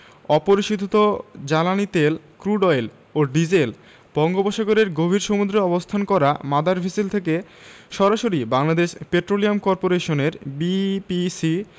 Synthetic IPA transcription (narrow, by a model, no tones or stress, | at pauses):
ɔpoɾiʃid̪ʱot̪od͡ʑalanit̪elkɾuɖɔjl | oɖid͡ʑel | bɔŋɡoboʃaɡoɾeɾɡobʱiɾʃomud̪ɾeɔbost̪ʰankɔɾa̰mad̪ʱaɾbʱisilt̪ʰeke | ʃɔɾaʃoɾibaŋlad̪eʃpeʈɾoliamkɔɾpoɾeʃoneɾbipisi